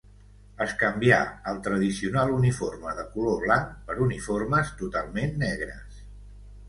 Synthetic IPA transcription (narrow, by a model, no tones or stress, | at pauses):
əskəmbia̰əlˠt̪ɾəðisiunalˠuniforməðəkuloβlaŋpəɾuniforməst̪ut̪alˠmenːɛɣ̞ɾə̰s